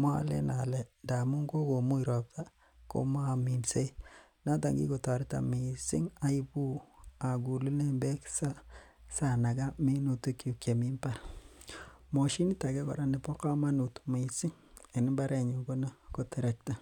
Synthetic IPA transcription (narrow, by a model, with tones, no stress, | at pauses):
ma˦a̰˨lḛ˦na˨lɛ˦nda˨mu˦ŋɡo˦ɡo˨mu˦i˨ɾɔ˨p̚ta˦ | ko̰˨ma˦a˨mi˨nse˦ | na˦t̬a˨ŋɡḭ˦ko˨ta˨ɾi˦ta̰˨mi˨sḭ˦ŋa˦i˦bu˦a˨ɡu˨lu˦ne˦mbe˦ksa˦ | sa˨na˨ɡa˦mi˦no˨tu˦ku˨kje˨mi˦mpa˦˨ɾ | mo˨ʃi˦ni˦ta˨ɡe˦kɔ̰˨ɾa˦ne˨po˦ka˦ma˦nu˨tme˨i˨sɪ˦ŋ | e˨nɪ˦mba˦ɾe˨ɲu˨ɡo˦na˦ko˦te˨ɾa˦k̚ta˨